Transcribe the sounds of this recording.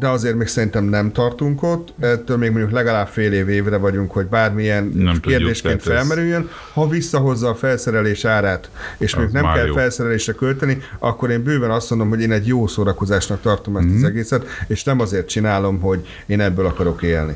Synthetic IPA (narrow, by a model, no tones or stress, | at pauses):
d̪ɛɒzeːrt̪meːksɛɾint̪ɛmnɛmt̪ɒrt̪uŋko̞t̪ːɛt̪ːøːlmeːɡmoɲɟuklɛɡɒlaːbfeːleːveːvrɛvɒɟuŋkho̞ɟbaːrmijɛnneːrd̪eːʃkeːnt̪ffɛlmɛɾyjːøn | hɒvisːɒɦo̞zːɒːfɛlsɛɾɛleːʃaːɾaːt̪eːʃmoɲɟuknɛmkɛlfɛlsɛɾɛleːʃrɛkølt̪ɛniɒkːo̞ɾeːmbøːbɛnɒst̪mond̪omɦoɟeːnɛɟjoːsoːɾɒko̞zaːʃnɒk̚t̪ɒrt̪o̞mɛst̪ɒzɛɡeːsɛt̪eːʃnɛmɒzeːrt̪̚t͡ʃinaːlo̞mɦo̞ɟ | eːnɛbːøːlɒkɒɾo̞keːlnḭ